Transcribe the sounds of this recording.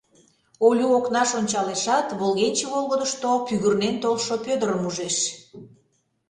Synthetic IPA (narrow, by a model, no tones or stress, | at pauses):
olʲuoknɑʃonʲt͡ɕɑleʃɑt̪βolˠɣenʲt͡ɕeβolˠɣəd̪əʃt̪opyɣyrnent̪olʃopød̪əɾəmuʒeʃ